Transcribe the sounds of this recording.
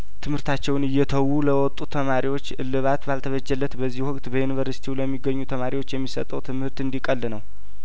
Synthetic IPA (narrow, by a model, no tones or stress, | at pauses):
t̪ʰɨmhɨɾt̪ʰat͡ʃːɛwnɨjːɛt̪ʰəwːuləwɔt̪ʼut̪ʰəmaɾiwo̞t͡ʃːɨlːɨβat̪balt̪ʰəβəd͡ʒɛlːət̪bəzːihhʊkʼt̪bəjunivəɾsi̥t̪ʰiwləmːiɡəɲːut̪ʰəmaɾiwot͡ʃːjɛmːisə̰t̪ʼəwt̪ʰɨmhɨɾt̪ɨnd̪ikʼəlːɨnəw